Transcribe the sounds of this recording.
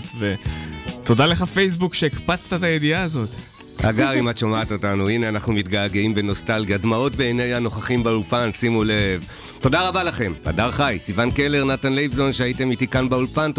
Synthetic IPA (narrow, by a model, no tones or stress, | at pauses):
tve̞to̞dale̞χafejs̬bukʃeikpat͡st̪at̪ajediaːzo̞t̪ | ʔa̰ɡaʁimatʃomaat̪otanuineanaχnumit̪ɡaːɡeimbe̞no̞stalɡiadmao̞tbeenejano̞χaχimbaulpansimulev | to̞daʁabalaχe̞ma̰daʁχajsivankele̞ʁnatanlejbzo̞nʃeaite̞mitikanbaulpant